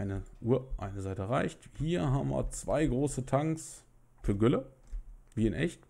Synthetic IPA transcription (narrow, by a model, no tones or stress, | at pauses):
ɪnəʔuːɐʔa̰ɪnəzaɪtəʁaɪçthiːɐɦaːbm̩vḭːɐt͡sv̥a̰ɪɡʁoːsətʰaŋks | fyːɐɡʏlə | viːɪnʔɛ̰çt